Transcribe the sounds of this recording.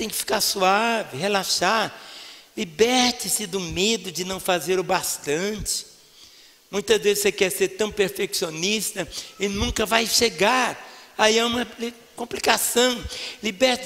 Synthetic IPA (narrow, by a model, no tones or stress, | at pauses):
t̪ẽj̃kɪ̥fi̥kaɾsuavɪɦelaʃaɾlibɛɾt͡ʃɪsɪd̪ʊmed̪ʊd͡ʒɪnɐ̃w̃fazeɾʊbast̪ɐ̃t͡ʃɪ̥ | mũj̃t̪ɐzvezɪsekɛɾseɾt̪ɐ̃w̃peɾfeksionist̪ɐɪnũkɐvajʃeɡaɾaiaũmɐl | kõplikasɐ̃w̃libɛɾt͡ʃ